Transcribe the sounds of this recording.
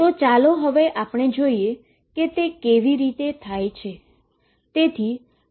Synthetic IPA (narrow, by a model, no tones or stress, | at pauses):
t̪ot͡ʃaloɦəʋeʔapəɳ̃ed͡ʒoie | ket̪ekeʋiɾit̪et̪ʰajt͡ʃʰe | t̪et̪ʰi